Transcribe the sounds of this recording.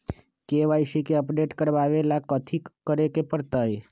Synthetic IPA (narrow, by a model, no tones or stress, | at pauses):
keʋajʃikeəpɖeʈkəɾʋaʋelakət̪ʰikəɾekepəɾt̪aj